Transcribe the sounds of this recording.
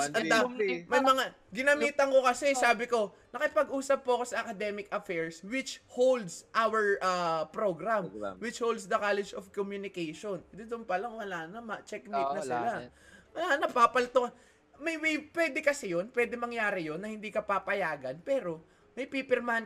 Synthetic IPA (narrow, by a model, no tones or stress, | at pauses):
ɐd̪amɐjmɐŋa | ɡɪnɐmiːt̪ɐŋko̞kɐsɛsaːbɪko̞ | nɐkɪpɐɡʔuːsɐp̚pʊɐko̞sɐʔɐkɐd̪ɛmɪkʔɐfɛɹswɪt͡ʃhowld̪sʔawɛɹʔapɾoɡɾamwɪt͡ʃhowld̪sd̪ɐkaːlɛd͡ʒofkomjunɪkejʃond̪ɛd̪ʊnpɐlaŋwɐlaːnɐmɐt͡ʃɛk̚nejt̪̚nɐsɪlawɐlaːnɐpapɐlt̪oɐn | mɐjwipwɛd̪ɛkɐsɛjo̞npwɛːd̪ɛmɐŋjaːɾɪjo̞nːɐhɪnd̪iːkɐpapɐjaːɡɐnpɛːɾo̞ | mɐjpiːpɛɾman